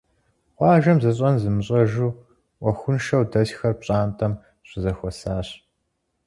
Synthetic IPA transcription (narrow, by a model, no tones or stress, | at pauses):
qʷɑːʒɐmzɐɕʼɐnzɨmɨɕʼɐʒuː | ʔʷɔxʷʊnʃɐwdɐɕxɐrp̚ɕʼaːntʰʼɐm | ɕʷɪzɐxʷɔsaːɕ